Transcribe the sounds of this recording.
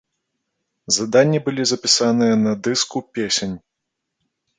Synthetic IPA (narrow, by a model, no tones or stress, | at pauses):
zɐd̪anʲːibɨlʲizɐpʲisanɨjɛnɐd̪ɨskupʲesʲenʲ